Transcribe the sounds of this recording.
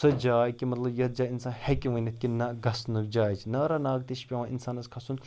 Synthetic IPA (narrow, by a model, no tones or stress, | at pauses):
sɐd͡ʒaːjkimɐt̪lɐbjɐt̪̚d͡ʒaːinsaːnhɛkiʋənʲɐt̪̚kinɐɡɐsnɨk̚d͡ʒaːjt͡ʃʰnɐɾɐnaːɡ̚t̪iʃpʲeʋãːʔinsaːnɐskʰɐsun